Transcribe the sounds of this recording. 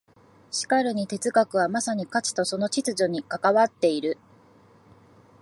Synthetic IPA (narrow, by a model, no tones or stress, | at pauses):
ɕi̥kaɾɯ̟ɲ̟it̪e̞t͡sɨɡakɯ̟βamasaɲ̟ikat͡ɕi̥t̪o̞so̞no̞t͡ɕit͡sɨʑo̞ɲ̟ikakaβat̪ːe̞iɾɯ̟